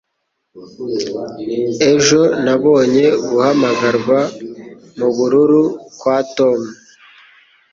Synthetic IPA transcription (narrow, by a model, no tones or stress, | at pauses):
e̞ʒo̞naβo̞ːɲe̞ɡuhamaɡaɾɡwa | muβuɾuɾukwaːto̞mu